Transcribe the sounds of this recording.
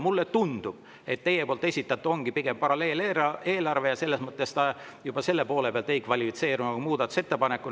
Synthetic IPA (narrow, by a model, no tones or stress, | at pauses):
mulːet̪und̪̥ub̥ | e̞t̪ːe̞jːepoːlt̪e̞sʲit̪ːˑɑt̪ːˑuo̞ŋɡ̥ipiɡ̥empɑɾɑle̞ːle̞ːlɑrve̞jɑse̞lːesmɤt̪ːˑest̪ɑ | jub̥ɑse̞lːe̞po̞ːlepeɑlt̪e̞jkvɑlʲifit̪se̞ːɾunɑkumuːd̪ɑt̪ːu̥se̞t̪ːe̞pɑnekːˑu